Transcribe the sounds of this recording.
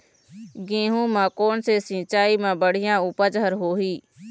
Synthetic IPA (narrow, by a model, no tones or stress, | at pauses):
ɡẽːɦũːmãːkoːnseːsɪ̃ːt͡ʃaːiːmãːbəɽ̤ɪjãːʊːpəd͡ʒɦəɾɦoːɦiː